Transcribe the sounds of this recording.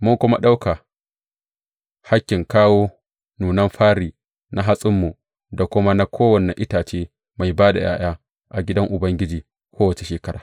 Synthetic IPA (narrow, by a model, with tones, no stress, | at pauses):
mʊ˦ŋkʷʊ˦ma̰˦ɗa˦wka˨ | ha˦kʲːɪ˨ŋkaː˦woː˦ | nuː˨nɐ˦mɸaː˦ɾiː˨ | na˦ɦa˦sʼɪ˦mːu˨ | da˨kʷʊ˦ma˦na˦kʷʰoː˦wɐ˨nːɛ˨ʔɪ˦taː˨t͡ʃeː˦ | ma˨jbaː˦da̰˨ja̰ː˦j̰aː˦ | ʔa˨ɡʲɪ˦dɐ˦ŋʔʊ˨bɐ˦ŋɡʲɪ˦d͡ʒiː˨ | kʷoː˦wɐ˨t͡ʃe˨ʃeː˨kɐ˦ɾaː˨